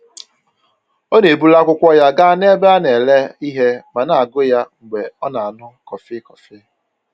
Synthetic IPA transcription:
o˦ne˨bu˦la˦kʷʊ˦kʷɔ˦ja˦ɡa˦a˦ne˦be˦a˦ne˨le˦i˦ɦe˦ma˨na˨a˨ɡʊ˦ja˦ŋ͡m̩˨ɡ͡be˨ɔ˦na˨a˨nʊ˦kɔ˨fɪ˦kɔ˨fɪ˦

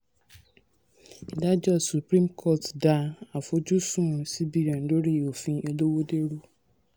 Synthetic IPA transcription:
i˨da˦d͡ʒɔ˦su˨pɾĩ˦mkʰɔ˦˨tda˦a˨fo˦d͡ʒu˦sũ˦˨si˦bi˨ɾa˨n̩˨do˦ɾi˨o˨fĩ˦e˦do˦wo˦de˦ɾu˦

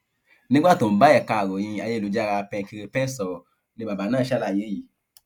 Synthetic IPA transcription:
nĩ˦ɡ͡ba˦˨tõ˨m̩˨˦ba˦ɛ˦˨ka˧˨ɾo˨j̃ĩ˧a˧je˧˦˨u˨˦d͡ʒa˦ɾa˧pɛ̃˧ki˧ɾe˧pɛ̃˦sɔ˨ | nĩ˧ba˨ba˨˦nã˦˨ʃa˦la˨je˨˦ji˨

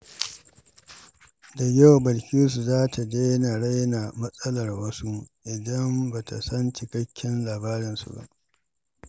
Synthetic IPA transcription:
da˨jɐ˦wbɐ˨lkʲi˦s̬u˨zaː˦tʰa˨de˦na˨ɽa˦jna˨mɐ˦sʼɐ˦lɐ˨rwɐ˦su˦ʔɪ˨dɐ˦mba˨ta̰˨sɐ˦nt͡ʃɪ˨kɐ˦kʲːɪ˦nlaː˨baː˦ɾɪ˨nsṵ˨ba̰˦ʔ

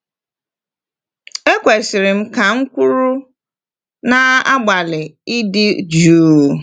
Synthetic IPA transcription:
e˦kʷe˨sɪ˨ɾɪ˨m̩˦ka˨ŋ̩˦kʷu˦ɾu˦ | na˨a˦ɡ͡ba˨lɪ˨ɪ˦dɪ˦d͡ʒuː˦˨

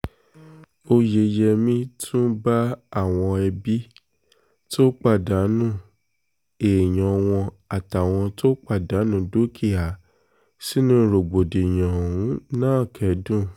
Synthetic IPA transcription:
o˧je˧jɛ˧mĩ˦tʰũ˦ba˦a˦˨w̃ɔ̃˧ɛ˧bi˦ | to˦k͡pa˦˨da˨˦nũ˦˨ | e˨j̃ɔ̃˨w̃ɔ̃˧ | a˨ta˨w̃ɔ̃˧to˦k͡pa˦˨da˨˦nũ˦do˦kʰi˦˨a˨ | si˦nũ˦ɾo˨ɡ͡bo˨de˨j̃ã˨ũ˨˦nãː˦˨kʰɛ˨˦dũ˦˨

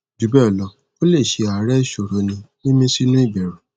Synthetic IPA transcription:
d͡ʒu˨˦bɛ˦ɔ˨lɔ˧˦ | o˦le˦˨ʃe˧a˨˦ɾɛ˦˨ʃo˨ɾo˨˦nĩ˧nĩ˦mĩ˧si˦nũ˦i˦˨bɛ˨ɾã˨

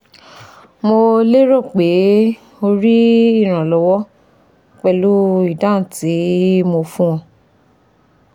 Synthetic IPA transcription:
mo˧le˦ɾo˦˨k͡pe˨˦ | o˧ɾi˦i˦˨ɾ̃ã˨lɔ˨˦wɔ˦ | k͡pɛ˧lu˦i˦˨dã˦n̩˨ti˨˦mo˧fũ˦wɔ̃˧

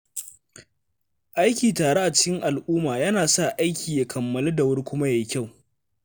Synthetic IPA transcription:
ʔa˦jkʲiː˨taː˨ɽe˦ʔa˨t͡ʃɪ˦kʲɪ˦ŋʔa˨lʔuː˦maː˨jɐ˦naː˨sa˦˨ʔa˦jkʲiː˨ja˨kʰɐ˨mːɐ˨le˦da˨wʊ˦ɽkʷʊ˦ma˦ja˨ji˦kʲa˦˨w

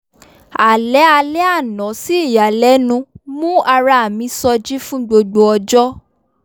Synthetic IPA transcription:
a˨lɛ˨˦a˧lɛ˦a˦˨nɔ̃˨˦si˦i˦˨ja˨lɛ˨˦nũ˧mũ˦a˧ɾa˧a˨mĩ˧˦sɔ˧d͡ʒi˦fũ˦ɡ͡bo˧ɡ͡bo˧ɔ˧d͡ʒɔ˦

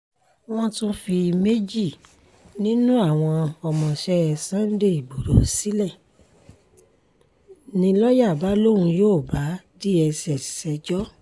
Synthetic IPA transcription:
w̃ɔ̃˦tũ˦fi˧me˦d͡ʒi˦˨ | nĩ˦nũ˦a˦˨w̃ɔ̃˧ɔ˧mɔ̃˨ʃɛ˦˧sã˦n̩˦de˦˨i˨ɡ͡bo˨ɾo˨˦si˦lɛ˦˨ | nĩ˧lɔ˦ja˦˨ba˨˦lo˦ɾũ˧joː˦˨ba˨˦di˦ɛ˧sɛ˧˨sɛ˧˦d͡ʒɔ˦

